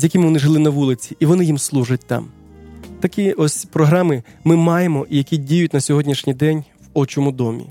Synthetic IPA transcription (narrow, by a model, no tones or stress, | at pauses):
zʲjɐkʲɪmɪʋɔnɪʒɪlˠɪnɐʋulˠɪt͡sʲiiʋɔnɪjimslˠuʒɐt̚ʲt̪ɑ̰m | t̪ɐkʲiɔsʲpɾɔɦɾɑmɪmɪmɑjemɔʔijɐkʲidʲijʊtʲnɐsʲɔɦɔdʲnʲiʃnʲijd̪ɛnʲʋɔt͡ʃɔmʊd̪ɔmʲḭ